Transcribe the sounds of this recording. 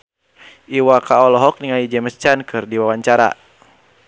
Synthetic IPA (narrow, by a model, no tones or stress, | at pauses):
ʔiwakaɔlɔɦɔk̚niŋaid͡ʒɛməst͡ʃankʰɨrdiwawaɲt͡ʃaɾa̰